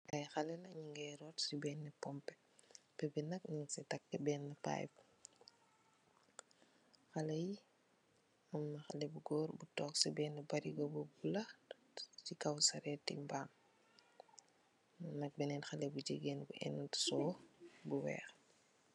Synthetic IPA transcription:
ʔɐjxɐlɛlɐɲiŋɡɛjɾɔtsibɛːnːɛpɔmpɛ̥ | pɛbinɐkniŋsɛtɐkːɛbɛːnːɐpa̰ːjb | xɐlɐji | mɐmːɐxɐ̰lɛbuɡɔːɾbutɔːksibɛːnːɐbɐɾiɡɐbubulɐ | t͡ʃikɐwsɐɾɛːtːḭmbaːm | ɐnɐk̚bɛnɛːnxɐlɛbud͡ʒiɡɛːnbuʔɛ̰ntsɔːbuwɛ̰ːx

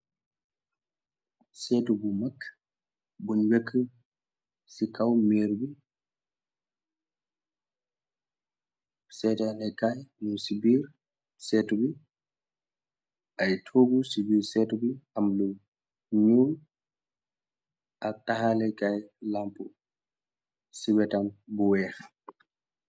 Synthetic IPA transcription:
sɛtubumakː | bunwɛkʰːə | sikʰawmɛɾbi | sɛtanɛkajnunsibiːɾ | sɛːtubi | ʔajtʰoːɡusibiːɾsɛtubiʔamlu | ɲuːn | ʔatahalɛkajlampu | siwɛtambuwɛːx

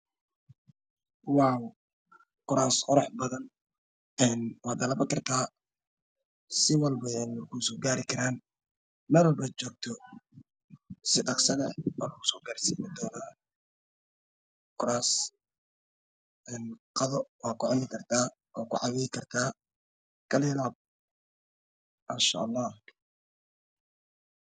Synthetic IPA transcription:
wɑːw | kʰʊɾaːsqɔɾɔħbɐðɐn | ɛːnwaːd̪ɐlɐbɐkʰɐrt̪ʰaː | sɪwɑlbɐnkʰusɔːɡaːɾɪkʰɐɾaːn | mɛːlwɐlbɐt͡ʃɔːk̚t̪ʰɔ | sɪɖɑqsɐðɛɔ̰lɣʊsɔːɡaːɾsiːmɪd̪ɔːnaː | kʰʊɾaːs | ɛːnqɑðɔwaːkʰʊʕʊnɪkʰɐrt̪ʰaː | ʔɔːkʰʊʕɑwɛjɪkʰɐrt̪ʰaː | kʰɐlɪlaːb̚ | ʔanʃa̰ʔɑlːɑːh

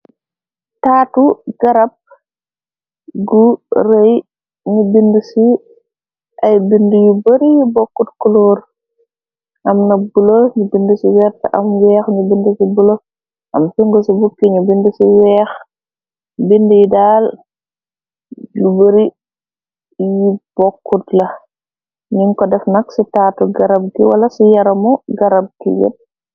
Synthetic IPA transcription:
taːtuɡɐɾɐp̚ | ɡuɾej | ɲubindusi | ʔɐjbindujubɐɾijibɔkːutkuluːɾ | ʔɐmnɐbuloɲubindusiwɛɾtɐʔɐmwɛːxɲubindusibulo | ʔɐmfiŋɡosibukːiɲubindusiwɛːx | bindujidaːl | jubɐɾi | jib̥ɔkːutlɐ | niŋkɔdɛfnɐksitaːtuɡɐɾɐb̚kiwɐ̰lɐsijɐɾɐmɔɡɐɾɐb̚kḭɡɛ̰t̚

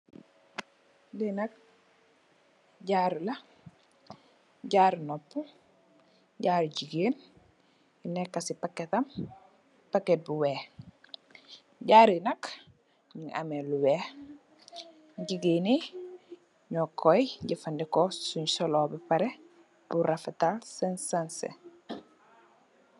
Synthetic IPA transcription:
dinɐk̚ | ɟaːɾlɐ | ɟaɾnopːu | ɟaːɾɟiɡen | inekːasipakːetɐm | pakːet̚buweːh | ɟaːɾinɐk | ɲiŋʔa̰meluwɛh | ɟiɡene | ɲɔkʰːɔjɟifɐndikɔsuɲsɔlɔːbipɐɾe | b̥uɾɐfɐtalsɛnsansḛ

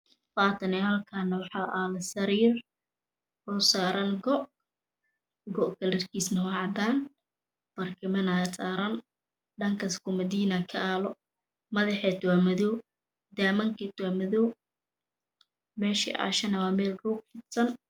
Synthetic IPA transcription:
faːt̪ʰɐnɛhɐlkʰanɐwɑħɑːʔaːlɐsɐɾiːr | ɔːsaːɾɐnɡɔʔ | ɡɔʔkʰɐlɪrkʰiːsnɐwɑːʕɑd̪aːn | b̥ɐrkʰɪmɐnasaːɾɐn | ɖɐŋkʰɐskʰʊmɐd̪iːnakʰɐaːlɔ | mɐðɐħɛt̪ʰwamɐðɔw | d̪aːmɐŋkʰit̪ʰwamɐðɔw | mɛːʃḭʔa̰ʃɐnɐwaːmɛːlruːɡ̚fɪt̪sɐn

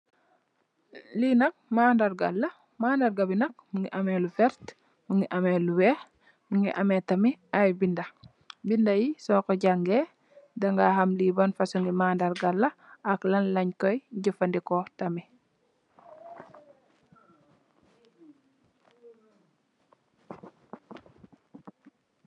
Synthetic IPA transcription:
linɐk̚maːndaɾɡa̰lːɐ | maːndaɾɡabinɐk̚muŋɡiʔamelufɛɾt | muŋiʔameluwɛ | muŋɡiʔametɐmiajbindɐ | bindajisɔːkɔɟaŋɡe | dɐŋɡaɦɐmlibanfasuŋɡimaːndaɾɡalːɐaklɐnlɐɲkɔjɟəfandikɔtɐmi

